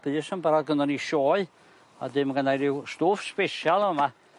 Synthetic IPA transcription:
b̥ɨːsənbaɾaðɡənɔniʃɔːɨ | adɪmɡənajɾiwstʊːfspɛʃalˠɔma

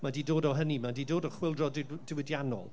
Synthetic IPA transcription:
madiːdoːdɔɦənimadiːdoːdɔχwɪlˠdrɔddɪwɪdjanɔ̰lˠ

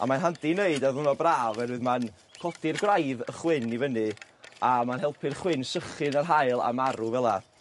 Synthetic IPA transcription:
a̰manɦandineɨdaðʊnɔbraːvɛnɨðman | kʰɔdɪrɡrajðəχwɪnivənɨ | amanɦɛlˠpʰɨrχwɪnsəχɨnarɦajlˠa̰maɾuvɛlˠa

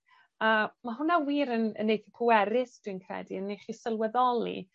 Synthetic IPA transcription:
əmaɦʊnawiːɾənə̰nːejθikʰuwɛɾɪsd̥winkʰrɛ̰diənːeχisəlˠwɛðɔlˠḭ

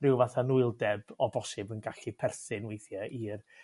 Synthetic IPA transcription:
rɪwvaθanuɨlˠdɛbɔbɔsɪbənɡaɬipʰɛrsɨnwejθjɛʔir

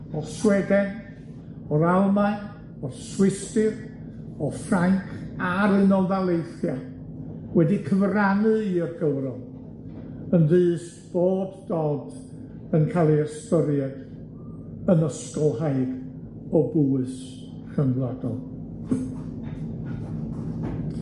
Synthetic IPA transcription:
ɔrswɛdɛn | ɔɾalˠma | ɔrswɪstɨr | ɔfraŋkʰaɾɨnɔlˠðalˠejθja | wɛdikʰəvranɨirɡəwɾɔlˠ | ənðɨːs | b̥oːdːoːd | ənkʰalˠiɛstɔɾjɛd̥ | ənəskɔlˠhaɨd | ɔbuːɨs | χəmladɔ̰lˠ

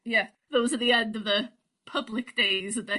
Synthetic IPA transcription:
jæ | ðoʊzɨt̪̚ðiɛ̃ndʌvðə | pʰʌblɨk̚d̥eɪzɨt̪̚ðɨ

